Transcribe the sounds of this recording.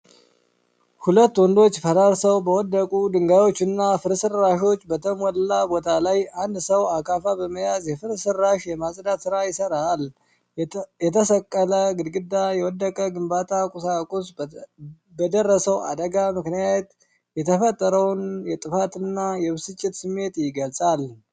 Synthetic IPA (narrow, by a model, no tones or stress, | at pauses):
hulət̪ːwɔnd̪o̞t͡ʃːfəɾaɾsəwbəwɔd̪ːəkʼud̪ɨŋɡawo̞t͡ʃːɨnːafɨɾsɨɾːaʃo̞t͡ʃːbət̪ʰəmɔlːabo̞t̪ʰalajand̪səwakʰafabəməjazjɛfɨɾsɨɾːaʃjɛmasʼd̪at̪sɨɾajɪsəɾal | jɛt̪ʰəsəkʼːələɡɨd̪ɡɨd̪ːajɛwɔd̪ːəkʼəɡɨmbat̪ʰakʼʊsakʼus | bəd̪ərːəsəwa̰d̪əɡamɨknijajɛt̪ | jɛt̪ʰəfət̪ʼːəɾəwnjɛt̪ʼɨfat̪ɨnːajɛbɨsɨt͡ʃʼːɪt̪sɨmːe̞t̪jɪɡəlsʼal